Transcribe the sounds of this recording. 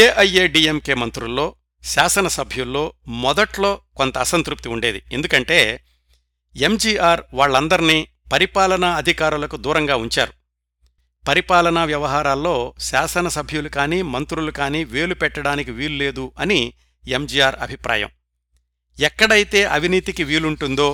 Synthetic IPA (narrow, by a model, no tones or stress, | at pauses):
eːʔɐjeːɖiːemke̞ːmɐnt̪ɾulːo̞ː | ʃaːsɐnɐsɐbʱjulːo̞ːmɔd̪ɐʈlo̞ːkont̪ɐːsɐnt̪ɾup̚t̪iuɳɖe̞ːd̪ie̞̰nd̪ukɐɳʈe̞ː | e̞md͡ʒiːaːɾʋaːɭːɐnd̪ɐɾiniː | pɐɾipaːlɐnɐːd̪ʱikaːɾulɐkud̪uːɾɐŋɡaːuɲt͡ʃa̰ːɾu | pɐɾipaːlɐnɐʋjɐʋɐɦaːɾaːlːo̞ːʃaːsɐnɐsɐbʱjulukaːniːmɐnt̪ɾulukaːniːʋe̞ːlupɛʈːɐɽaːnikiʋiːlule̞ːd̪uɐni | emd͡ʒiːaːɾɐ̰bʱipɾʔa̰ːjɐ̰m | ɛkːɐɽɐjit̪e̞ːʔɐʋiniːt̪ikiʋiːluɳʈund̪o̞ː